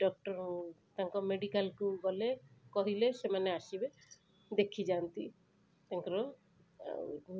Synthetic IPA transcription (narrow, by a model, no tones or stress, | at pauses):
ɖɔk̚ʈɔɾ | t̪aŋkɔmeɖikalkubɔlekɔɦilesemaneaʃibe | d̪ekʰid͡ʒant̪i | t̪aŋkɔɾɔ